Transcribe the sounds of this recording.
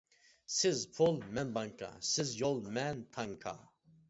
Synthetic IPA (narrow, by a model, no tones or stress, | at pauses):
sɪzpʰɔlmɛnbaŋkʰʼa̰sizjɔlmɛnt̪ʰaŋkʰa̰